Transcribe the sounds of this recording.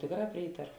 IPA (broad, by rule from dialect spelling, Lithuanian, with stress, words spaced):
ˈtʲeːkˌrɑː ˈpʲrʲiːtɐroː